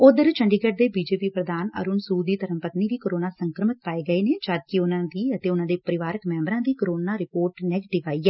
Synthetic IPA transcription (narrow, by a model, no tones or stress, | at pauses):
ʊd̪əɾt͡ʃʰəɳɖiɡeʈ̚d̪eːbiːd͡ʒeːpiːpɾəd̪ʱaːnə̰ɾʊnsuːd̪iːt̪əɾə̃mpət̪niːd̪iːkoɾoːnaːsə̃ŋkɾəmɪt̪̚paːeːɡəeːned͡ʒaːd̪̚kɪʊnãːd̪iːət̪eːʊnãːd̪eːpəɾɪʋaːɾəkmɛ̃ːmbəɾãːd̪iːkoɾoːnaːɾɪpoːɾʈnɛːɡeːʈɪʋaːiːɛː